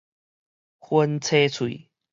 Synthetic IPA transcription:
xwə˦nt͡sʰe˦t͡sʰwḭ˨

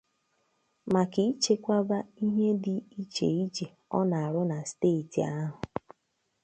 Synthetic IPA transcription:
ma˨ki˦i˦t͡ʃe˨kʷa˦ba˦i˦ɦe˦dɪ˨i˦t͡ʃḛ˨i˦t͡ʃe˨ | ɔ̰˦na˨a˨ɾʊ˦na˨steː˦˨ti˨a˦ɦʊ˨

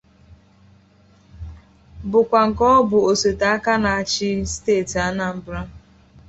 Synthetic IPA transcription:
bʊ˨kʷa˨ŋ̩˨kɔ˦bʊ˨o˨se˨ta˨a˦ka˦na˨a˦˨t͡ʃɪ˦steː˦˨ta˦na˨m̩˦bɾa˦

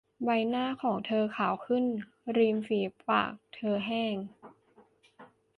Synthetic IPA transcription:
ba˧jnaː˥˩kʰɔː˩˦ŋt̪ʰɤː˧kʰaː˨˩wkʰɯ˥˩n | ɾiː˧mfiː˩˦pa̰ː˨˩k̚t̪ʰɤː˧ɦɛː˥˩ŋ

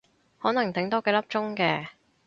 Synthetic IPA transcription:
hɔː˨˥nɐ˨˩ŋt̪ɪ˨˥ŋt̪ɔː˥kɛ˨˧˥lɐ˥p̚t͡ʃʊ˥ŋkɛː˧

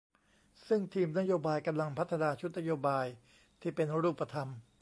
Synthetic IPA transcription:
sɯ˥˩ŋt̪ʰiː˧mna˥joː˧baː˧jka˧mla˧ŋpʰa˦˥t̪ʰːa˧naː˧t͡ɕʰu˦˥t̪̚na˥joː˧baː˧j | t̪ʰiː˥˩pe˧nɾuː˥˩pːa˧t̪ʰa˧m

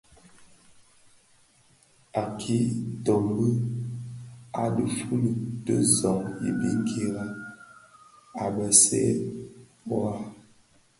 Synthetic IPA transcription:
a˨kʰi˦to˨mbə˦ | a˦də˨fu˦lə˨tə˦zɔ˨ŋjḭ˨bi˦ŋɡe˨ɾa˦ | a˨bə˨sɛ̰˦ | bwa˦

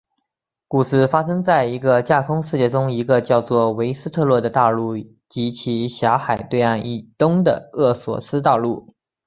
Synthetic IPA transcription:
ku˨˩sɹ̩˥˩fa˥ʂɤ˥ŋt͡sa˥˩ɪi˧˥ɡə˧t͡ɕja˥˩kʰʊ˥ŋʂɻ̩˥˧t͡ɕjɛ˥˩ʈ͡ʂʊ˥ŋi˧˥ɡə˧t͡ɕjɑ˥˧ʊt͡swɔ˥˩we˧˥ɪsɹ̩˥t̪ʰɤ˥˧lwɔ˥˩d̪ə˩t̪ɑ˥˧ʊlu˥˩ | t͡ɕi˧˥t͡ɕʰi˧˥ɕjɑ˧˥xa˨˩ɪt̪we˥˧ɪa˥˩ni˨˩t̪ʊ˥ŋd̪ə˨˩ɤ˥˩swɔ̰˨˩sɹ̩˥t̪ɑ˥˧ʊlu˥˩

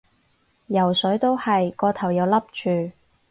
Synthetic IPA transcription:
jɐ˨˩wsɵ˨˥ɥt̪o˥whɐ˨jkɔː˧t̪ʰɐ˨˩wjɐ˨˧wlɐ˥p̚t͡ʃʰyː˨˧

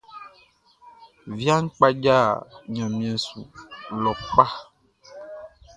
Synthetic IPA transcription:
vi˦a˦ŋ̩˦k͡pa˦d͡ʒa˦˨ɲã˨mĩ˨ɛ̃˨sṵ˨lɔ˨k͡pa˦

